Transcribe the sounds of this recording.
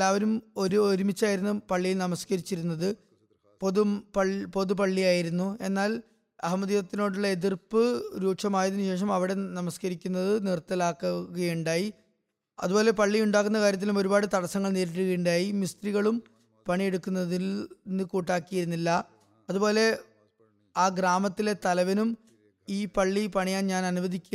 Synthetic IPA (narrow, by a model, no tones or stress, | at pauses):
lːaːʋɐɾumoɾuoɾumit͡ɕːaːjiɾunːupɐɭːijlnɐmɐskɐɾit͡ɕːiɾunːɐðɨ | poðupɐpo̞ðupɐɭːijaːjiɾunːue̞nːaːl | ɐɦɐmɐðiɣɐt̪ːino̞ːɽuɭːɐeðirpːɨɾuːkʂɐmaːjɐðinuɕe̞ːʂ̬ɐmɐʋiɽe̞nɐmɐskɐɾikʲːunːɐðɨnirt̪ːɐlaːkːuɣɐjuɳɖaːji | ɐ̰ðubo̞ːle̞pɐɭːiuɳɖaːkːunːɐkaːɾjɐt̪̬ːilumo̞ɾubaːɽɨt̪ɐɽɐsɐŋːɐɭneːɾiʈ̬ːuɣɐjuɳɖaːjimist̪riɣɐɭum | pɐɳije̞ɽukːunːɐðinːɨkuːʈːaːkːijiɾunːilːɐ | ɐðubo̞ːle̞ | aːɡɾaːmɐt̪ːile̞t̪ɐlɐʋɐnum | iːpɐɭːipɐɳijaːnɲaːnɐnuʋɐðikʲː